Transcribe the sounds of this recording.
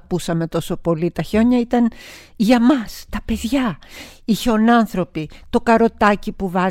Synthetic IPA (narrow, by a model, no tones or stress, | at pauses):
pusɐme̞t̪o̞so̞po̞lit̪ɐço̞ɲɐit̪ɐn | ʝɐmɐst̪ɐpe̞ðʝɐ | içeonɐnθɾo̞pit̪o̞kɐɾo̞t̪ɐcipuvɐ